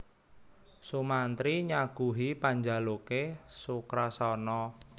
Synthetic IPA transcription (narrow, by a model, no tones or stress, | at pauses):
sumant̪ɾiɲaɡ̥ṳɦipaɲd͡ʒalokesukɾasɔnɔ